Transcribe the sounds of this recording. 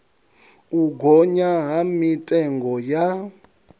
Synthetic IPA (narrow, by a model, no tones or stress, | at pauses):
uɡʱɔɲaɦamitʼɛŋɡɔja